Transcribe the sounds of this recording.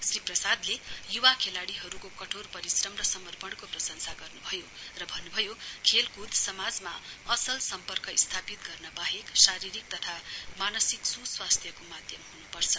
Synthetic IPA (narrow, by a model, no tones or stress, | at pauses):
sriprʌsad̪lejuwakʰelaɽiɦʌɾukokʌʈʰorpʌɾisrʌmrʌsʌmʌrpʌɽkoprʌsʌnsaɡʌrnubʱʌjo | rʌbʱʌnːubʱʌjokʰelkud̪ʱsʌmad͡zmaʌsʌlsʌmpʌrkʌist̪ʰapit̪ɡʌrnʌbaɦeksaɾiɾik̚t̪ʌt̪ʰamanʌsiksuswast̪ʰjʌkomad̪ʱjʌmhunupʌrt͡sʰʌ